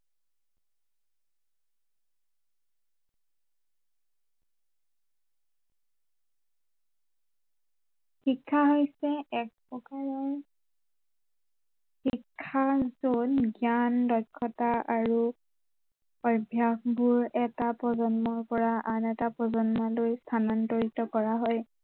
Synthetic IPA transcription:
xikʰːaɦojsɛɛk̚pɹɔkaɹɔɹ | xikʰːazunɡjandɔjkʰːɔtaʔaɹu | ɔjbʱjakbuɹɛtapɹɔzɔnmɔɹpɔɹaʔanɛtapɔzɔnmɔlojstʰanɔntoɹitɔkɔɹaɦɔj

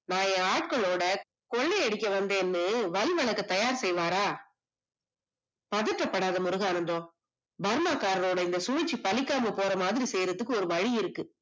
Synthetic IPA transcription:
naːjẽːaːʈ̚kɐɭoːɽɐ | kɔɭːeɛɽɪkʲːɐʋɐnd̪eːnːɯʋɐlɪʋɐɭɐkːɐt̪ɐjaːɾsɛjʋaːɾaː | pɐðɯʈrːɐpːɐɽaːðɐmʊɾɯɣaːnɐnd̪õː | bɐɾmaːkːaːɾɐɾoːɽɐɪnd̪ɐsʊːɪt͡ʃːipɐlɪkːaːmɐpoːɾɐmaːðɪɾiseːjɾɐt̪ːɯkːɯɔɾɯʋɐɻiɪɾɯkːɯ

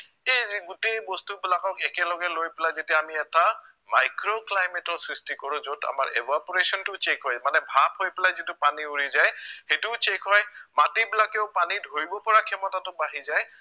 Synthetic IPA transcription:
ejɡʊtejbɔstubilakɔkɛkɛlɔɡɛlojpɛlajzetiaamiɛta | majkɹoklajmɛtɔsɹistikɔɹʊ̃zota̰ma̰ɹɛbapɔɹesɔntʊt͡ʃekɦɔjmanɛbʱabɦojpɛlajzitʊpaniuɹizajxetʊt͡ʃekɦɔjmatibilakɛʊpanidʱoɹibɔpɔɹakʰɛmɔtatʊbaɦizaj

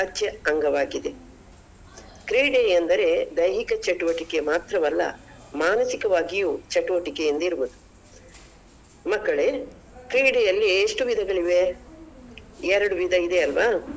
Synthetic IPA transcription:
ɐt͡ʃːeɐŋɡɐʋaːɡid̪e̞ | kɾiːɽeɐnd̪ɐɾe̞d̪ɐjɦikɐt͡ʃɐʈuʋɐʈike̞maːt̪ɾɐmɐlːɐ̰ | maːnɐsikɐʋaːɡijut͡ʃeʈuʋɐʈikejɐnd̪ɐiɾubud̪u | mɐkːɐɭe̞ | kɾiːɽejɐlːieʂʈuʋid̪ʱɐɡɐɭiʋe̞ | ɛɾɐɽuʋid̪ʱɐid̪e̞ɐlʋaː

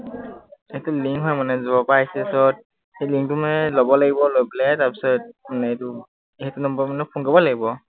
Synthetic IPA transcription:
ihɛtʊliŋkɦɔjmanɛzubapajsɛsɔt̚ | hejliŋk̚tumanɛlɔbɔlaɡibɔlojplɛtaɹpi̥sɔt̚manɛtu | iɦɛtunɔmbɔmanɛpʰuŋkabɔlaɡibɔ

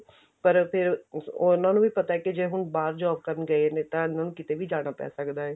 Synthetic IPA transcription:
pəɾpʰɪɾonãːnũʋiːpət̪aːɛːkid͡ʒeːɦʊnbaːɾd͡ʒɔːb̚kəɾnɡəeneːt̪ãːɪnãːnũːkɪt̪eːʋiːd͡ʒaːɽ̃aːpɛ̰ːsəkd̪aːɦɛː

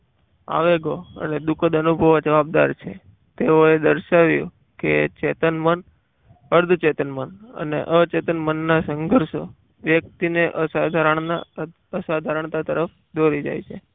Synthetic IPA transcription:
a̰ʋeɡoə̰ned̪ukəd̪ənubʱəʋad͡ʒəʋab̚d̪a̰ɾt͡ʃʰe | t̪eoed̪əɾʃaʋjũ | kḛt͡ʃet̪ənmən | əɾd̪ʱt͡ʃet̪ənmənə̰nḛʔət͡ʃet̪ənmənːasəŋɡʱəɾʃo | ʋjək̚t̪ineʔəsad̪ʱaɾəɳa | əsad̪ʱaɾəɳ̃t̪at̪əɾəf | d̪ʱoɾid͡ʒa̰jt͡ʃʰe

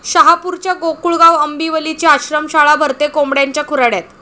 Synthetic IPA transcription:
ɕəɦapuɾt͡ɕjaɡokuɭɡaʋəmbiʋəlit͡ɕiaɕɾəmɕaɭabʱəɾt̪ekomɽjaɲt͡ɕjakʰuɾaɽjat̪

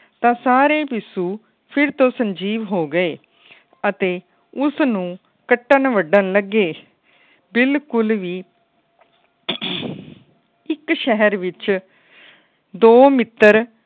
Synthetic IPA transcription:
t̪ãːsaːɾeːpɪsuː | pʰɪɾt̪õːsəɲd͡ʒiːʋɦoːɡəeː | ət̪eː | ʊsnũː | kəʈːənʋəɖənləɡeː | bɪlkʊlʋiː | ɪkʃɛɦəɾʋɪt͡ʃ | d̪oːmɪt̪ːəɾ

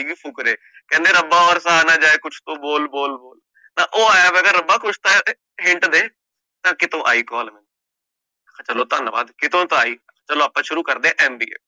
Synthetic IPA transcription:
iɡiːpʰʊkɾeː | kɛ̃ːnd̪eːɾəbaːɔːɾsaːnãːd͡ʒaːeːkʊt͡ʃʰt̪õːboːlboːlboːl | nãːʔoːaːjaːʋɛːɡaːɾəbaːkʊt͡ʃʰt̪a | ɦɪɳʈd̪eː | t̪ãːkɪt̪õːʔa̰ːiːkɔːlmɛ̃nː | akʰãt͡ʃəloːt̪ənba̰ːd̪kɪt̪õːt̪õaːiːkʰãt͡ʃəloːapːãːʃʊɾuːkəɾd̪eːãʔɛːmbiːḛː

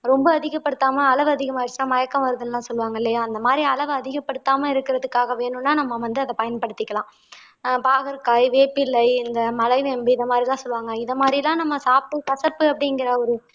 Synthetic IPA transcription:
ɾɔmbɐːðɪɣɐpːɐɽɯt̪ːaːmɐɐlɐʋɯɐðɪɣɐmaːɪɾɯt͡ʃːnãːmɐjɐkːɐ̃ʋɐɾɯðɯnlãːsɔlːɯʋaːŋɡɐɪlːɐjaːɐnd̪ɐmaːd̪ɾiɐlɐʋɯɐðɪɣɐpːɐɽɯt̪ːaːmɐɪɾɯkːɪɾɐðɯkːaːɣɐʋeːɳɯnːaːnɐmːɐʋɐnd̪ɯɐðɐpɐjɐnpɐɽɯt̪ːɪkːɐlãː | paːɣɐɾkaːjʋeːpɪlɐɪɪnd̪ɐmɐlɐɪʋembɯɪðɐmaːd̪ɾilãːsɔlːʋaːŋɡɐɪnðɐmaːd̪ɾilãːnɐmːɐsaːp̚ʈ̪ɯkɐsɐpːɯɐpːɐɽɪŋɡɪɾɐɔɾɯ

